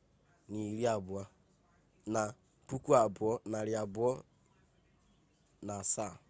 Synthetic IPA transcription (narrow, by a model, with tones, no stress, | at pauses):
ni˨ɾi˦a˨bʊ˨a˦ | na˨ | pu˦kʷu˦a˨bʊ˨ɔ˦na˨ɾɪ˨a˨bʊ˨˦ɔ˦ | na˨sa˦˨